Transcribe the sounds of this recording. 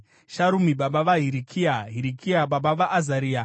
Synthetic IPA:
ʃaɾumiɓaɓaʋaɦiɾikʰiaɦiɾikʰiaɓaɓaʋaʔːzaɾiːa

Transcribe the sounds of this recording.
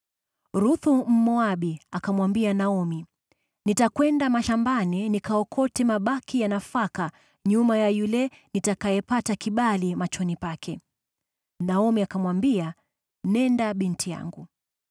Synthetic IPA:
ɾuθum̩mɔaɓiakamwambianaɔmi | nitakwɛndamaʃambaninikaɔkʰɔtɛmaɓakijanafaka | ɲumajajulɛ | nitakajɛpatakiɓalimat͡ʃɔnipakʰɛ | naɔmiakamwambia | nɛndaɓintʰija̰ŋɡu

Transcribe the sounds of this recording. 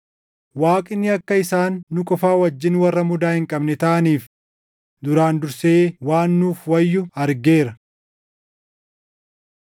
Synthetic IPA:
waːkʼɪnːɪɐkːɐɪsaːnːʊkʼɔfaːwɐd͡ʒːɪnwɐrːɐmʊd̪aːhɪŋkʼɐbnɛt̪ɐʔɐniːf | d̪ʊɾaːnd̪ʊɾseːwaːnːuːfwɐjːʊɐɾɡeːɾɐ

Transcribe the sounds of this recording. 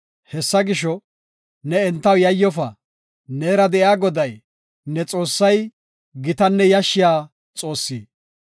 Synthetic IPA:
hɛsːɐɡɪʃɔ | nɛɛnt̪ːɐwjɐjːɔfɐ | nɛːɾɐd̪ɛʔɪaːɡɔd̪ɐj | nɛt͡sʼo̞ːsːɐj | ɡɪt̪ɐnːɛjɐʃːɪjaː | t͡sʼo̞ːsːiː

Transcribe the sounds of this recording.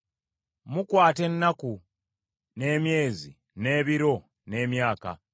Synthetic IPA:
mukwaːte̞nːaku | ne̞ːmje̞ːzḭ | ne̞ːβiɾo̞ | ne̞ːmjaːka̰

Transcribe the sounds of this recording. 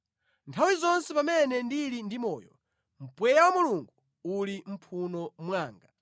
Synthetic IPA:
ntʰawizɔnsɛpamɛnɛndilindimɔːjɔ̰ | m̩pwɛjawamuluŋɡu | ulim̩pʰunɔmwaːŋɡa

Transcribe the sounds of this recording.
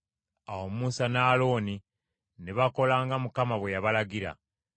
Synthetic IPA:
awomuːsanaːlo̞ːni | neβako̞laːŋɡamukamaβwe̞jaβalaɡiɾa̰

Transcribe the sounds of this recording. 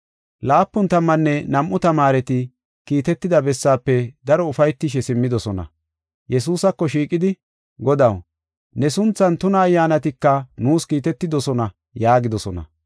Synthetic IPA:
laːpːʊnt̪ɐmːɐnːɛnɐmʔʊt̪ɐmaːɾɛt̪ɪ | kiːt̪ɛt̪ːɪd̪ɐbɛsːaːpːɛd̪ɐɾɔʊfɐjt̪ːɪʃ̬ɛsɪmːɪd̪ɔsɔnɐ̰ | jɛs̬uːsɐkːɔʃiːkʼɪd̪ɪ | ɡɔd̪ɐw | nɛsʊnt͡sːɐnt̪ʊnɐːjːaːnɐt̪ɪkːɐnuːskiːt̪ɛt̪ːɪd̪ɔsɔnɐ | jaːɡɪd̪ɔsɔnɐ̰

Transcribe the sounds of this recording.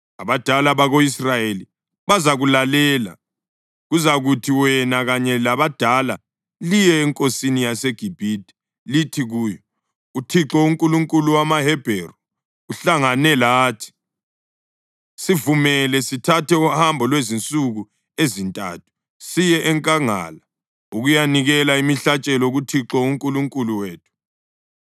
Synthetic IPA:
aβad̥ʱalaβaɣoisrajeli | βazaɣulalɛːla̰ | ɣuzaɣutʰiwɛnaɣaɲɛlaβad̥ʱala | lijɛːŋkʼosinijaseɡ̥ʱib̥ʱid̥ʱɛ̥ | litʰiɣuːjɔ | utʰiǁɔuŋkʼuluŋkʼuluwamahɛb̥ʱeːrɔ | uɬaŋanɛlaːtʰi̥ | sivumɛlɛsitʰatʰɛuhambʱɔlwezint͡sʼuɣu | ezintʼa̰ːtʰu̥ | sijɛʔɛŋkʼaŋa̰ːla | uɣujaniɣɛlaimiɬat͡ʃʼɛlɔɣutʰiǁɔuŋkʼuluŋkʼuluweːtʰu̥

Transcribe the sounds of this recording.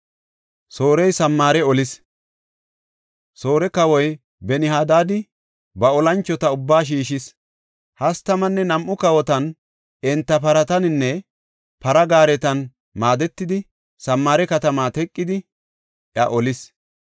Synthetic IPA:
so̞ːɾɛjsɐmːaːɾɛɔlɪs | so̞ːɾɛkɐwɔj | bɛnɪhaːd̪aːd̪ɪ | bɐɔlɐnt͡ʃːɔt̪ɐʊbːaːʃ̬iːʃɪs | hɐst̪ɐmɐnːɛnɐmʔʊkɐwɔt̪ɐn | ɛnt̪ːɐpɐɾɐt̪ɐnɪnːɛ | pɐɾɐɡaːɾɛt̪ɐn | maːd̪ɛt̪ːɪd̪ɪ | sɐmːaːɾɛkɐt̪ɐmaːt̪ɛkʼːɪd̪ɪ | ʔjɐʔɔlɪs

